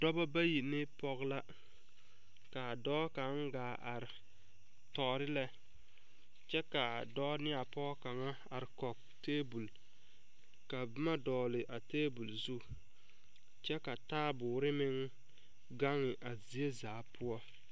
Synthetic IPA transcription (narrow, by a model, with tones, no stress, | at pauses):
dɔ˦ba˦ba˦ji˨nɪ˦pɔ˦ɣla˦ | ka˨dɔː˦ka˨˦ŋ˦ɡaː˨ʔa˨ɾɪ˨ | tɔː˨ɾɪ˦lɛ˦ | t͡ʃɛ˦ka˨dɔː˦nɪ˦a˨pɔ˦ka˨ŋa˦ | a˨ɾɪ˨kɔ˨k̚ | teː˦bu˨l | ka˨bɪ˦ma˦dɔː˨lɪ˨ʔa˨teː˦bu˨lzu˦ | t͡ʃɛ˦ka˨taː˦bʊː˨ɾɪ˦mɪ˦ŋ | ɡa˦ŋɪ˨ʔa˨zi˨e˦zaː˨˦pʰʊ˦ɔ˦